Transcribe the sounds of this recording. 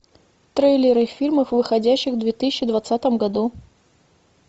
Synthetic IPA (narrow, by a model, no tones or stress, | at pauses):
t̪ɾejlʲɪɾɨfʲirmɨxvɨxɐdʲæɕːɪxvd̪vʲet̪ɨsʲɪ̥t͡ɕːɪd̪vɐt̪sat̪əmɡɐd̪u